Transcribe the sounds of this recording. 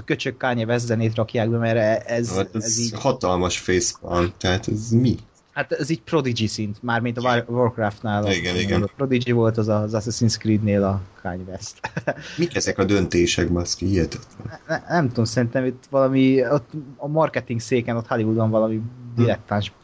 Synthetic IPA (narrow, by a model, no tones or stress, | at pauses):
ɒkø̞t͡ʃøkːaːɲɛvɛs̬zɛneːt̪rɒkjaːɡ̚bɛmɛɾɛzt̪ɛɛziːhɒt̪ɒlmɒʃfeːsbɒnt̪ɛɦaːt̪ɛzmi | hat̪ɛziːɟ̚pro̞d̪id͡ʒisint̪maːrmint̪ɒvørkraːft̪naːliɡɛniɡɛnopro̞d̪id͡ʒivo̞lt̪ɒzɒzasɛsinskrid̪neːlɒkʰa̰ːɲvɛst̪mikɛzɛkɒd̪ø̞nt̪eːʃɛkbɒskihijɛt̪ɛ̥t̪lɛnnɛnɛmt̪omsɛɾint̪ɛmit̪ːʋɒlɒmiot̪ːɒmɒrkɛt̪iŋɡseːkɛno̞t̪hɒlivud̪ɒɱvɒlɒmid̪iɾɛk̚t̪aːnʃ